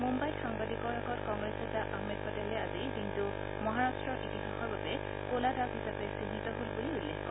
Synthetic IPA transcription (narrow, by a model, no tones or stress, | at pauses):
mumbajxaŋbadikɔɹakɔtkɔŋɡɹesɛdaʔaɦmɛd̚pɔtɛlɛazikintu | mɔɦaɹastɹɔɹʔitixaxɔɹbabɛ | koladaɦisapɛsinitɔɦolbuliulːekʰkɔ